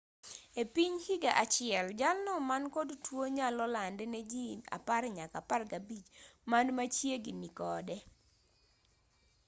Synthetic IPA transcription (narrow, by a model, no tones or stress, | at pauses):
epiɲhiɡaʔat͡ʃɪɛld͡ʒalnɔmankɔdtwoɲalɔlandɛnɛd͡ʒina̰paɾɲakaparɡabit͡ʃmanmat͡ʃjeɡinikɔdɛ